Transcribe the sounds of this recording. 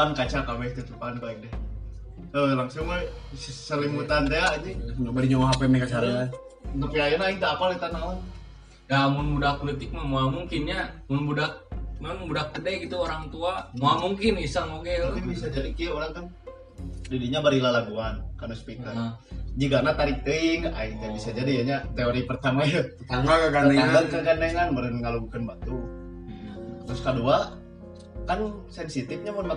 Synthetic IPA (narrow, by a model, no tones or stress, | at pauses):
ankat͡ʃakamɛst̪at͡ʃ̪upankaidɛh | əlaŋsʊŋ | ssəlimut̪ant̪eaʔd͡ʒiŋabaliɲomaɦapɛmɛkat͡ʃaɾ | nt̪upiainait̪aapalit̪anau | jamʊnmudapolit̪ɪk̚mamoamuŋkɪnɲamʊnbudak̚mammudak̚ːədɛɡit̪uoɾaŋt̪uamoamuŋkɪnisaŋoɡɛbisad͡ʒadikioɾaŋkan | didiɲabaɾilalaɡuankanospik̪ard͡ʒikanat̪aɾik̚t̪iŋait̪abisad͡ʒadijaɲat̪eoɾipərt̪amaja | amaaaaɡakakanaŋanbəɾənŋalubukanbat̪u | t̪ɾʊskədua | kansɛnsit̪ɪfɲamʊnma